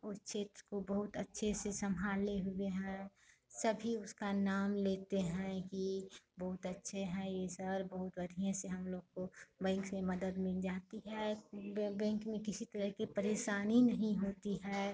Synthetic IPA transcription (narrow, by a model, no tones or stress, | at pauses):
ʊst͡ʃʰeːt̪ɾkobɐɦʊt̪ətːʃʰesesɐmʱaːleɦʊeɦɛ̃ | sɐbʱiʊskanaːmleːt̪eɦɛ̃kibɐɦʊt̪ɐtːʃʰeɦɛ̃jesəɾbəɦʊt̪bɐd̪ʱijãseɦɐmloːɡ̚kobɛ̃ːŋksmẽmɐd̪əd̪mɪld͡ʒaːt̪iɦɛ | bɛ̃ːkmẽkɪsit̪əɾəɦkipəɾeːʃaːninɐɦĩɦoːt̪iɦɛː